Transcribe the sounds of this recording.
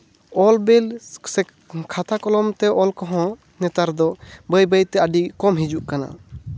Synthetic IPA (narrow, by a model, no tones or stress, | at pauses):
ɔlbelsɛ | kʰat̪akɔlɔmt̪ɛʔɔlkɔɦɔ̃ | nɛt̪aɾd̪ɔbəjbəjt̪ɛʔəɖikɔmɦid͡ʒuʔkana̰